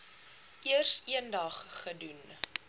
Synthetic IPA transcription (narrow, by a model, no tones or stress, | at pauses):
ʔiərsiəndɐχːədun